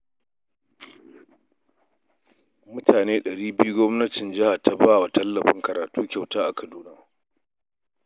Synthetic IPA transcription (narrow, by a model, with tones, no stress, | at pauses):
mʊ˦tʰaː˨neː˦ɗɐ˨ɽiː˦bɪ˦ju˦ɡʷɔ˦mnɐ˦tɪ˨nd͡ʒɪ˦ha˨ta˨baː˦wa˨tɐ˦lːɐ˨ɸɪ˦ŋkɐ˨ɾaː˨tuː˦kʲa˨wtaː˦ʔa˨kʰɐ˨duː˦na˦